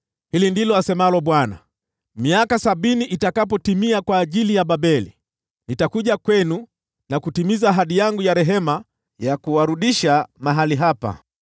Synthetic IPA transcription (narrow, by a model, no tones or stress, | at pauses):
hilindilɔasɛmalɔɓwana̰ | miakasaɓiniʔitakapɔtimiakwaːʄilijaɓaɓɛlḭ | nitakuʄakwɛnu | nakutimizaːɦaɗijaŋɡujaɾɛɦɛma | jakuwaɾuɗiʃamaɦaliɦapa̰